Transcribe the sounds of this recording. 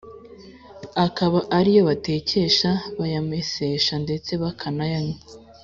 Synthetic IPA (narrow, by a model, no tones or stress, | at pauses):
akaβaʔaɾijo̞βate̞ːceʃaβajameseʃande̞t͡se̞βakʰanajaɲo